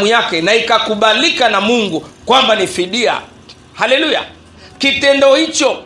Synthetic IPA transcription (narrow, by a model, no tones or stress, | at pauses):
mujakɛnaikakuɓalikanamuŋɡukwambanifiɗia̰ | halɛluja̰ | kitɛndɔhit͡ʃɔ